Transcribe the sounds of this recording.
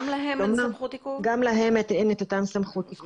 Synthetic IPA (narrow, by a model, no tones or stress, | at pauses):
laɦeomnamut̪ikuɡamlaɦemet̪enet̪otamsamχut̪iku